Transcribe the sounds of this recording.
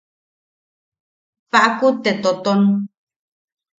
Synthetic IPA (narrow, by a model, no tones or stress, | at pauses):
paʔakut̪et̪ot̪on